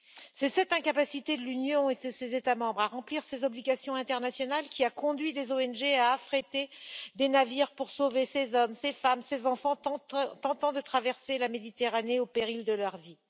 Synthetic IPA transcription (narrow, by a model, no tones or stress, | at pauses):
sɛsɛt̪ɛ̃kapasit̪ed̪əlynjɔ̃et̪ɛsezet̪amɑ̃bʁaʁɑ̃pliʁsezɔbliɡʲasjɔ̃ɛ̃t̪ɛʁnasjɔnalkʲiakɔ̃d̪ɥilezoɛnʒeaːfχet̪ed̪enaviʁpuʁsovesezɔmsefamsezɑ̃fɑ̃ɑ̃t̪ɑ̃t̪ɑ̃d̪ət̪χavɛʁselamed̪it̪eʁaneopeʁild̪əlœʁvi